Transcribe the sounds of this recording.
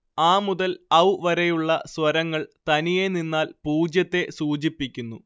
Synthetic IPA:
aːmuðɐlɐwʋɐɾejuɭːɐswɐɾɐŋːɐɭt̪ɐnije̞ninːaːlpuːd͡ʑjɐt̪ːe̞suːt͡ɕipːikʲːunːu

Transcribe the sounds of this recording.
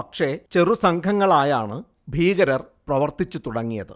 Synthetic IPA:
ɐkʂe̞t͡ɕe̞rusɐŋɡʰʱɐŋːɐɭaːjaːɳɨ | bʱiːɣɐɾɐrprɐʋɐrt̪it͡ɕːut̪uɽɐŋːijɐðɨ̰

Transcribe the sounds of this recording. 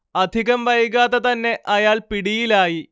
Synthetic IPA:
ɐd̪ʱiɣɐmʋɐjɣaːðɐt̪ɐnːe̞ʔɐjaːɭpiɽijilaːji

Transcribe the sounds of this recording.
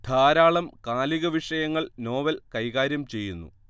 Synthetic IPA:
d̪ʱaːɾaːɭɐmkaːliɣɐʋiʂɐjɐŋːɐɭno̞ːʋɐlkɐjɣaːɾjɐmt͡ɕe̞jːunːṵ

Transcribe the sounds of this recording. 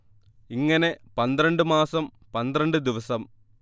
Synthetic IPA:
iŋːɐnepɐnd̪ɾɐɳɖɨmaːsɐm | pɐnd̪ɾɐɳɖɨd̪iʋɐsɐm

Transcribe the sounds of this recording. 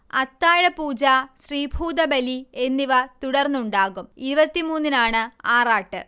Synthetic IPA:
ɐt̪ːaːɻɐpuːd͡ʑaːɕriːbʱuːd̪ɐbelie̞nːiʋɐt̪uɽɐrnːuɳɖaːɣumiɾubɐt̪ːimuːnːinaːɳɨaːraːʈːɨ

